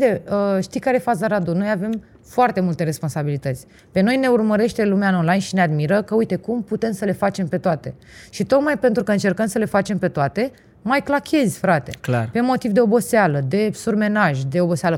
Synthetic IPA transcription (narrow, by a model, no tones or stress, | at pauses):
ut̪e̞əʃt̪ijkaɾefazəɾad̪uno̞jave̞m | foart̪e̞mult̪e̞ɾe̞spo̞nsabilit̪ət̪sʲ | pe̞no̞jne̞urməɾe̞ʃt̪e̞lumeaonlajnʃinead̪miɾəkəujt̪e̞kumput̪e̞msəle̞fat͡ʃe̞mpe̞t̪oat̪e̞ | ʃit̪o̞kmajpe̞nt̪ɾukəɨnt͡ʃe̞rkəmsəle̞fat͡ʃe̞mpe̞t̪oat̪e̞ | majklakʰʲe̞zʲfɾat̪e̞̰klarpe̞mo̞t̪ivd̪eo̞bo̞sealəd̪e̞surme̞naʒʲd̪e̞o̞bo̞sealə